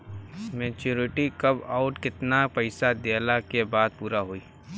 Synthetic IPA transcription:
meːt͡ʃuːɾɪʈikɐbaːʊʈkɪt̪napɐɪsad̪elakebaːd̪̚puːɾaɦoiː

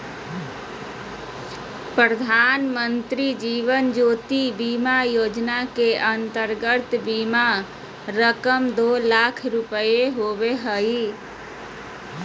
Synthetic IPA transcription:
pɾɾəd̪ʱaːnmənt̪ɾid͡ʒiːʋənd͡ʒoːt̪ibimajoːd͡ʒnakeʔənt̪əɾɡət̪bima | ɾəkəmd̪oːlaːkʰɾʊpəjeɦoʋeɦəi

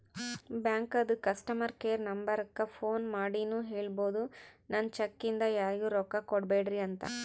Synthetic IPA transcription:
bjaːŋkɐd̪ukɐsʈɐmɐɾkeːɐɾnɐmbɐɾɐkːɐpʰo̞ːnmaːɽinuːɦeːɭbo̞ːd̪unɐnːt͡ʃɐkːind̪ɐjaːɾiɡuːɾɔkːɐkoɽbeːɖɾiɐnt̪ɐ̰

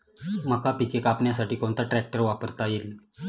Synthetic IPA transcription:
məkapikekapɳjasaʈiːkõɳt̪aʈɾæk̚ʈəɾʋapəɾt̪ajel

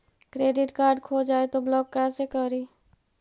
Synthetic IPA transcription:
kɾeːɖɪʈkaːɾɖkʰod͡ʒaːet̪oblɔːkːɛsekəɾiː

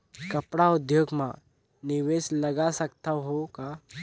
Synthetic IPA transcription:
kəpɽaʊd̪joːɡmã̰ | nɪʋeːsləɡasəkt̪aɦoka

